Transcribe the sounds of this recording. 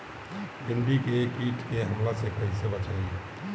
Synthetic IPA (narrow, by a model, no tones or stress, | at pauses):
bɪɳɖikekiːʈkeɦɐmlasekəɦisebət͡ʃaiɛ